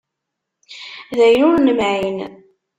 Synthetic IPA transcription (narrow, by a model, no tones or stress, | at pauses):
ðæjnʊɾnəmʕin